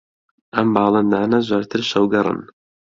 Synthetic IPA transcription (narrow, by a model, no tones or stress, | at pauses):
ʔɐmbɑːlˠɨnd̪aːnɐzoːɾt̪ʰɨɾʃɐwɡɐɾˤɨ̰n